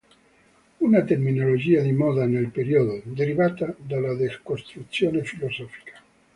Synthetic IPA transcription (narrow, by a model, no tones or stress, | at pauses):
unat̪eɾminolod͡ʒiːad̪imɔðanelpeɾioðod̪eɾiβat̪ad̪alːad̪eskost̪ɾut̪sjoːnefilosɔfi̥kḁ